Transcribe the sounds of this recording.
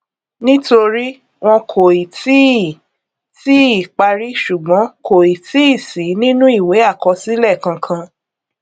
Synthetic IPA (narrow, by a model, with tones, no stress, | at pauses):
nĩ˦to˧ɾi˦ | w̃ɔ̃˧kʰo˨i˨ti˨˦˨ | ti˦i˦˨k͡pa˧ɾi˦ʃu˨ɡ͡bɔ̃˨˦kʰo˨i˨ti˨˦i˦˨si˨˦nĩ˦nũ˦i˦˨we˨˦a˦˨kɔ˧si˦lɛ˦˨kã˧kʰã˧